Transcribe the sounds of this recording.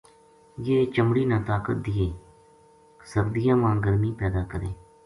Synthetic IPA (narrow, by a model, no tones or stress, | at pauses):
jeːt͡ʃəmɽiːnãːt̪aːkət̪̚d̪ɪeː | səɾd̪ɪjãːʋãːɡəɾmiːpɛːd̪aːkəɾeː